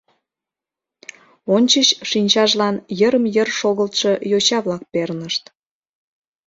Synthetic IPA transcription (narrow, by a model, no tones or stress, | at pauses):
onʲt͡ɕəɕʃinʲt͡ɕɑʒlɑnjəɾəmjərʃoɣəlt̪ʃɤjot͡ɕɑβlɑk̚pernəʃt̪